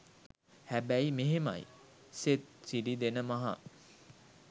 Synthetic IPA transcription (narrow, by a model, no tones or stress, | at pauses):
hæbæimeɦemɐ̰j̰ | set̪̚siɖid̪enəmɐɦɐ̰